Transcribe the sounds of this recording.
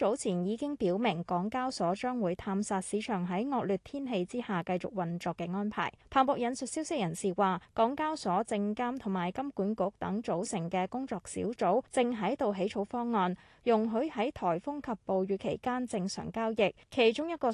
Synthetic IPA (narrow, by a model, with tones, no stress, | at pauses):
t͡ʃo˨˥wt͡sʰiː˨˩njiː˨˧kɪ˥ŋpiː˨˥wmɪ˨˩ŋkɔː˨˥ŋkaː˥wsɔː˨˥t͡ʃœː˥ŋwuː˨˧jt̪ʰaː˧msaː˧t̚siː˨˧t͡ʃʰœː˨˩ŋɦɐ˨˥jŋɔː˧k̚lyː˨t̪̚ʰiː˥nɦe˧jt͡siː˥haː˨kɐ˧jt͡sʊ̰˨˩k̚wɐ˨nt͡sɔː˨˧kːɛː˧ŋɔː˥npʰa̰ː˨˩jp̪ʰaː˨˩npɔː˨˩kjɐ˨˧nsɵ˨t̚siː˥wsɪ˥k̚jɐ˨˩nsiː˨waː˨kɔː˨˥ŋkaː˥wsɔː˨˥t͡sɪ˧ŋkaː˥mt̪ʰʊ˨˩ŋmaː˨˩jkɐ˥mkuː˨˥nkʊ˨˥k̚t̪ɐ˨˥ŋt͡so˨˧˥wsɪ˨˩ŋkɛː˧kʊ˥ŋt͡sɔː˨˧k̚sḭː˨˥wt͡so˨˥wt͡sɪ˧ŋɦɐ˨˥jt̪o˨wɦe˨˥jt͡ʃʰo˨˥wfɔː˥ŋːɔː˧n | jʊ˨˩ŋɦɵ˨˥ɥhɐ˨˥jt̪ʰɔː˨˩jfʊ˥ŋkʰɐ˨pːo˨wɥyː˨˧kʰe˨˩jkaː˥nt͡sɪ˧ŋsœ̰ː˨˩ŋkaː˥wjɪ˨k̚kʰe˨˩jt͡ʃʊ˥ŋjɐ˥t̚kɔː˧